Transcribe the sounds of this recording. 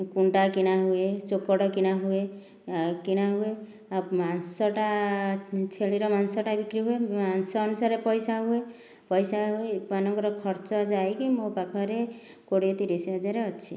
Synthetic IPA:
kuɳʈakinaɦuet͡ʃokɔɽɔkinaɦue | kinaɦue | amansɔʈa | t͡ʃʰeliɾɔmansɔʈabikɾiɦuemansɔːnusaɾepɔjsaɦue | pɔjsaɦuepanɔŋkɔɾɔkʰɔɾt͡ʃɔd͡ʒaekimopakʰɔɾe | koɽiet̪iɾeseɦɔd͡ʒaɾeɔt͡ʃʰḭ

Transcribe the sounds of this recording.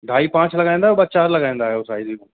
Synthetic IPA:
ɖʱaːipãːt͡ɕlɐɡaːĩnd̪aɦjobat͡ʃaːɾlɐɡaːĩn̆d̪aːɦejoːsaːizikə̃

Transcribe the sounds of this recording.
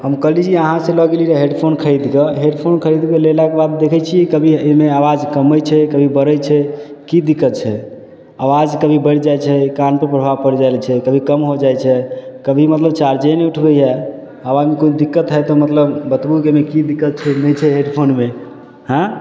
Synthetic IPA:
ɦəmkəɦlid͡ʒʰiəɦãsẽləɡeliɾeɦeɖpʰonkʰəjd̪keɦeɖpʰonkʰəid̪kelelakebad̪ːekʰɛt͡ʃʰikəbʱiemeawad͡ʒkəməjt͡ʃʰɛkəbʱibəɾəjt͡ʃʰɛkid̪ikːət̪̚t͡ʃʰɛ | awad͡ʒkəbʱibəɽd͡ʒajt͡ʃʰɛkanpəɾpɾəbʱaʋpəɾd͡ʒajlt͡ʃʰɛkəbʱikəmɦod͡ʒajt͡ʃʰɛkəbʱimət̪ləbt͡ʃaɾd͡ʒɛnɛuʈʰbɛjɛ | abamikond̪ikːət̪ɦɛt̪omət̪ləbbət̪bukemekid̪ikːət̪̚t͡ʃʰɛnɛt͡ʃʰɛɦeɖpʰonme | hã

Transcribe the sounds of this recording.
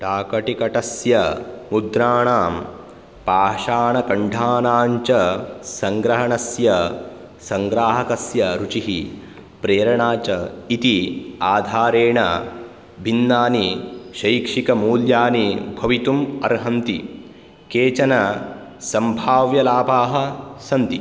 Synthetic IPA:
ʈaːkɐʈikɐʈɐsjɐmud̪ɾaːɳaːm | paːʃaːɳɐkɐɳɖʱaːnaːɲt͡ʃɐsɐŋɡɾɐɦɐɳɐsjɐ | sɐŋɡɾaːɦɐkɐsjɐɾut͡ʃiɦi | pɾeːɾɐɳaːt͡ʃɐit̪iaːd̪ʱaːɾeːɳɐ | bʱinːaːniʃɐjkʂikɐmuːljaːnibʱɐʋit̪umɐɾɦɐnt̪i | keːt͡ʃɐnɐ | sɐmbʱaːʋjɐlaːpaːɦɐsɐnt̪i

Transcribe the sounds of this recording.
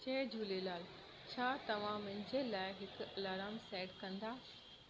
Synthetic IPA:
t͡ɕeːd͡ʑuːlelaːl | t͡ɕʰaːt̪ɐʋ̤ãmɪ̃nɪ̆d͡ʑeːlaːɪɦɪk̆ɐlaːɾaːmseːʈkɐ̃nd̪aː

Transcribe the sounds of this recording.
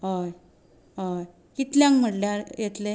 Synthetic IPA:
ɦoj | ɦoj | kit̪ljãŋkm̤əʈljaɾjet̪le

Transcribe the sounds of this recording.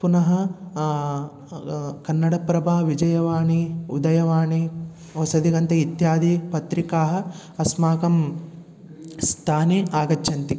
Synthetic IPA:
punɐɦɐ | kɐnːɐɽɐpɾɐbʱaːʋid͡ʒɐjɐʋaːɳiud̪ɐjɐʋaːɳi | ɐsɐd̪iɡɐnt̪ɐit̪jaːd̪ʱipɐt̪ɾikaːɦɐ̆ | ɐsmaːkɐm | st̪ʰaːniaːɡɐt͡ʃːʃɐnt̪i

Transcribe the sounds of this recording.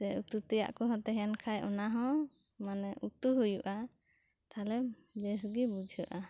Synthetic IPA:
sɛut̪ut̪uja̰ʔkɔɦɔt̪ɛɦɛnkʰajʔɔnaɦɔ̃ | manɛʔut̪uɦujuʔa | t̪ʰalɛbɛs̬ɡibud͡ʒʱəʔa

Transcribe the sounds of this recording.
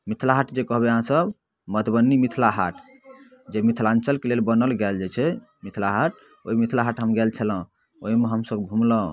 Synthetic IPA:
mit̪ʰlaɦaʈd͡ʒekəɦbeəɦãsəb | mət̪ʰbənːimit̪ʰlaɦaʈʰ | d͡ʒemit̪ʰlãnt͡ʃəlkelelbənəlɡɛld͡ʒet͡ʃʰɛ | mit̪ʰlaɦaʈ̚ | oɦimit̪ʰlaɦaʈɦəmɡɛlt͡ʃʰələ̃ | oɦimeɦəmsəbɡʱũmlə̃

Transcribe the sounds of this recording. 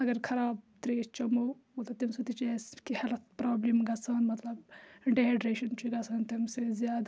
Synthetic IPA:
ɐɡɐɾkʰɐɾaːb̚t̪ɾeːst͡ʃɐmoot̪ɐt̪imset̪it͡ʃeskihelt̪̚ʰpɾaːblimɡɐsɐːnmɐt̪lɐb̚ɖeeɖɾeːʃɐnt͡ʃʰiɡɐsʰɐːnt̪imsezjaːd̪

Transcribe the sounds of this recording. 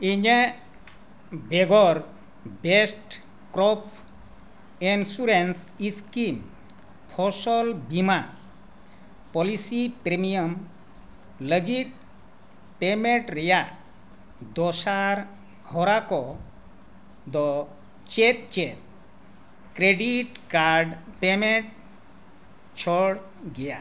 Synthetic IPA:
iɲə | beɡɔɾ | besʈ | kɾɔpʰ | insuɾensiskim | pʰɔsɔlbima | pɔlisipɾemijəm | ləɡit̪̚ | pemeɳʈɾeja | d̪ɔsaɾ | hɔɾakɔ | d̪ɔ | t͡ʃet̪̚t͡ʃet̪̚ | kɾeɖiʈkaɾɖpemeɳʈ̚ | t͡ʃʰɔɽ | ɡeja

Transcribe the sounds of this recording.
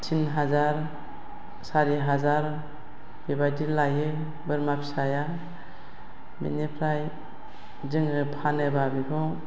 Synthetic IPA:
tʰinɦazaɾ | saɾiɦazaɾ | bebajdilajɯ | bɯɾmapʰi̥saja | mḭnipʰɾaj | zɯŋɾɯpʰanɯbabipʰɔ

